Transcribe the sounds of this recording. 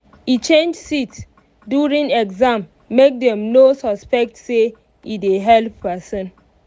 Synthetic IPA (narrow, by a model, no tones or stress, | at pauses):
it͡ʃẽnd͡ʒsits | djuɹĩŋɛɡzãmː | ek̚dɛ̃mnosɔspɛk̚tse | ideɦɛlppɛsɔ̃n